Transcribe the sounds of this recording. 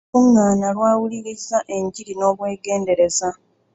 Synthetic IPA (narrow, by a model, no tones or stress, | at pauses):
uŋːaːnalwaːwuliɾisaʔe̞ɲɟiɾino̞ːβwe̞ːɡe̞ːnde̞ɾe̞za